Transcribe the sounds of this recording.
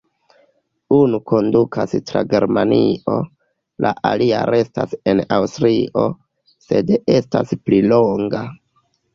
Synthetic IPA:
unukʰo̞ndukʰastɾaɡe̞ɾmanio̞ | lʔaʔalia̰ɾe̞stase̞nawstɾiʔo̞ | se̞de̞staspliloŋɡa

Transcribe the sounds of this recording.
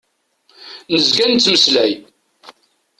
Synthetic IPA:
nəzɡænt͡sːməslæj

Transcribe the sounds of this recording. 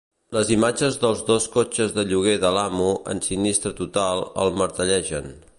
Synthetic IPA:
ləzimad͡ʒəzðəlˠzðoskot͡ʃəzðəʎuɣ̞eðəlamuʔə̰nsinist̪ɾət̪ut̪alˠə̰lˠməɾt̪əʎɛʒən

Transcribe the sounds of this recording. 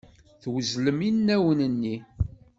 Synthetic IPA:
θwəzləminnːæwənənːi

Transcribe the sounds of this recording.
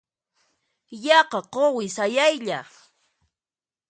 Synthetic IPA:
jɑqɑqowɪsajajʎa

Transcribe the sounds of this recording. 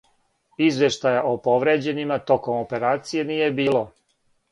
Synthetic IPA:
izʋe̞ʃt̪ajaʔopo̞ʋɾe̞ːd͡ʑe̞nimat̪o̞ko̞mope̞ɾaːt̪sije̞nije̞biːlo̞

